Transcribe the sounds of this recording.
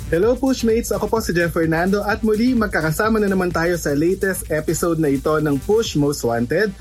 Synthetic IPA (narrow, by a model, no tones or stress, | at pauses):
hɛlowpuʃmejt̪sɐko̞po̞sɪd͡ʒɛfɛɹnand̪o̞ʔɐt̪̚mʊlimɐɡ̚kakɐsaːmɐnɐnɐmant̪aːjo̞sɐlejt̪ɛst̪ʔɛpɪsowd̪nɐʔɪt̪o̞nɐŋpuʃmost̪want̪ɛd̪̚